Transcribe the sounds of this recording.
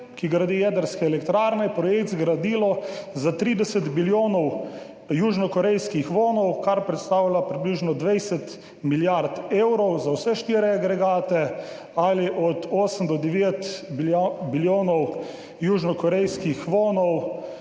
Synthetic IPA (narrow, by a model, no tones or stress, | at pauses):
kiɡɾad̪ijɛːd̪əɾskɛɛlɛkt̪ɾaːɾnɛpɾɔjekd̪zɡɾad̪ilɔzat̪ɾiːd̪ɛsɛt̪biljoːnɔw | juːʒnɔkɔɾɛjskixʋoːnɔwkaɾpɾɛt̪st̪aːwlʲapɾibliːʒnɔd̪ʋɛjsɛt̪ | miljaɾt̪eːwɾɔwzawsɛʃt̪iɾɛaɡɾɛɡaːt̪ɛ | aliʔɔt̪ʰoːsəmd̪ɔd̪ɛʋeːt̪bbiljoːnɔw | juːʒnɔkɔɾɛjskixʋoːnɔw